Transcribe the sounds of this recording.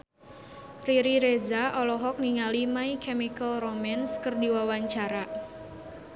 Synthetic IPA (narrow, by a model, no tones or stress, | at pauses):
riɾiɾezaɔlɔɦɔk̚niŋalimaikɛmikəlromɛnskərdiwawaɲt͡ʃaɾa